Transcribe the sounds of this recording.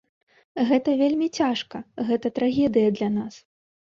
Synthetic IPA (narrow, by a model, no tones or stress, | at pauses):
ɣɛt̪ɐvʲelʲmʲit͡sʲaʂkɐɣɛt̪ɐt̪ɾaɣʲɛd̪ɨjɐd̪lʲanas